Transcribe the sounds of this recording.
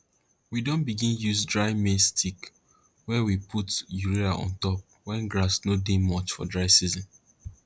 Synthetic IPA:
widõnbiɡĩnjuzdɹaɪmestʰik | wɛwipʰutjuɹiaʔɔ̰̃ntɔp̚ | wɛ̃nɡɹasnodemɔt͡ʃfɔ̰dɹaɪsizɔ̃n

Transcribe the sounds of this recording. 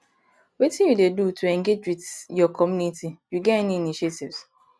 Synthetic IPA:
wetĩnjudedutʰuɛ̃ŋɡed͡ʒwidjɔkʰɔmjunitijuɡɛɛniiniʃetivs

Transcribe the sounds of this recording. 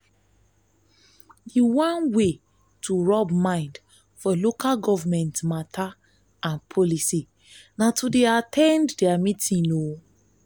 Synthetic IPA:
diwãnwe | tʰuɹɔbmãɪ̃nd | fɔlokʰalɡɔvamɛ̃ntmatʰa | ãnpʰɔlisi | natudeatʰɛ̃nddiamĩtĩno

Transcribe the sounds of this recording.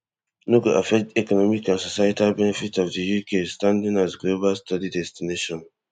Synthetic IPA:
nuɡoʔafɛk̚tɛkɔnɔmikãnsɔsajatalbɛnɛfitɔvdəjukʰestãndĩŋazɡlobastadidɛstineʃɔ̃n

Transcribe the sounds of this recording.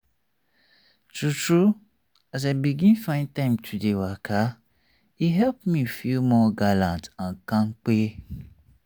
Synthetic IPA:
tʰutɾɹu | az̬abiɡĩnfãɪ̃ntãɪ̃mtʰudewakʰa | iɦɛlpmĩfilmɔɡalãntãnkãŋk͡pe

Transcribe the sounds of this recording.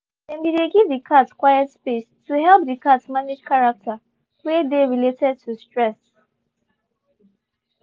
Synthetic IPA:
dɛ̃mideɡivdikʰatskwajɛtspestʰuhɛlˠp̚dikatsmaned͡ʒkʰaɹak̚tʰa | wedeɹiletʰɛd̚tʰustɹɛs

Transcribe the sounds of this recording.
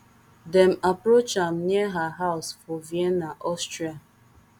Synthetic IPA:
dɛmapɾot͡ʃam̩niɛɦaɦaʊsfɔviɛnaʔɔstɾia

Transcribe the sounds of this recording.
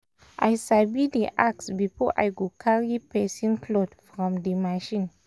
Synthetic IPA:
ʔa̰jsabidiʔaksbifɔʔa̰jɡukʰaɹipɛsĩnkʰlodfɹɔ̃mdimaʃĩn

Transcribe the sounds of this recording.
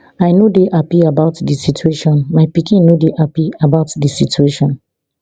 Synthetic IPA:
ajnodeʔapiabaʊtdisitʰueʃɔ̃nmajpikĩnnodeʔapiabaʊtdisitueʃɔ̃n

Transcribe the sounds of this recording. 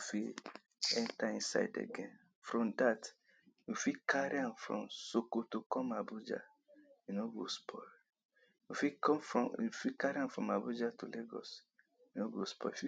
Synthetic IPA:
jufi | ɛ̃ntaĩnsa̰ɪdḛɡɛ̃n | fɹɔ̃mdat | jufikʰaɾiãmfɹɔ̰̃msokotokɔ̃mabud͡ʒa̰ | inoɡospʰɔ | jufikɔ̃mfɹɔ̃ufikaɾiãmfɾɔ̃mabud͡ʒatuleɡɔ̰s | inoɡospɔ̰jufi

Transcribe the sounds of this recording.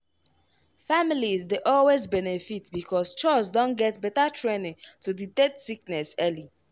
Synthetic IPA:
familizdeʔɔlwezbɛnefitbikʰɔst͡ʃɔsdõnɡɛtbɛtatʰɹenĩŋtudidɛdsiknɛsɛli

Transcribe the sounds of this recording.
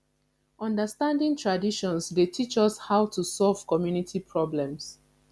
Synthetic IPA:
ʔɔ̃ndəstãndɪ̃ŋtʰɹadiʃɔ̃nsdetʰit͡ʃɔshaʊtʰusɔlv̥kɔmjunitʰipʰɹɔblɛ̃ms

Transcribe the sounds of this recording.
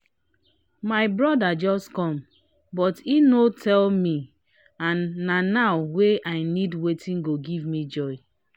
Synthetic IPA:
maɪbɹɔdad͡ʒɔskɔ̃m | bɔtinotʰɛlmi | ãnːanawweʔaɪnidwetʰĩnɡoɡivmid͡ʒɔɪ

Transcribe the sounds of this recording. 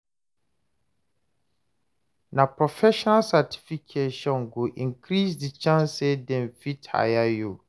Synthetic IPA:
nãpʰɾɔfɛʃɔnalsatʰi̥fikʰeʃɔ̃nɡoʔĩkʰɾisdit͡ɕʰãnsɛdɛ̃nfitʰa̰jajo

